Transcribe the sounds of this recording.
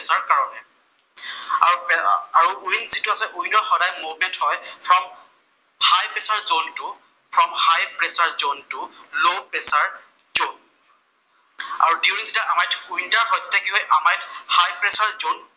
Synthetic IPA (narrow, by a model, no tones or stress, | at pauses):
pɛsaɹkaɹɔnɛ | aaɹuujnzituasɛʔujnɔxɔɾajmuvmɛnthɔjpʰɹɔm | hajpɛsaɹzontʊ | pʰɹɔmhajpɹɛsaɹzontʊlopɛsaɹ | zon | a̰ɹuduwɹiŋzitaʔamajtujntaɹɦɔjzɛtakiɦɔjʔamajthajpɹɛsaɹzon